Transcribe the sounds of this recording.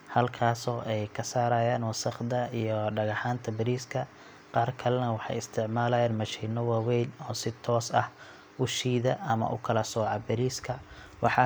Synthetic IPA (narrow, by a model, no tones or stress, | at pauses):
hɐlkʰaːsɔːʔɛjkʰɐsaːɾaːjaːnwɑsɐχd̪ɐijɔɖɐɣɑħaːnt̪ʰɐbɪɾiːskʰɐ | qɑːrkʰɐlɛnɐwɑħɑ̰jɪst̪ʰɪʕmaːlɐjaːnmɐʃiːnɔwaːwɛjnɔːsɪt̪ʰɔːsɐ̰h | ʊʃiːðɐɐmɐ̰ʔʊ̰kʰɐlɐsɔːʕɑbɪɾiːskʰɐ | wɑħɑ